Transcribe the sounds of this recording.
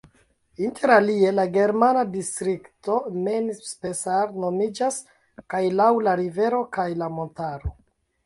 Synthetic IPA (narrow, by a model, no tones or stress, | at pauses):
intʰe̞ɾalie̞laɡe̞ɾmanadistɾikto̞menspe̞saɾno̞mid͡ʒas | kajlawlaɾive̞ɾokajlamo̞ntaɾo̞